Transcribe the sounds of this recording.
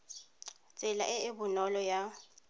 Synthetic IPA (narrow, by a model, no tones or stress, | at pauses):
t͡sʼɪla̰ʔɪɪbʊnɔlɔja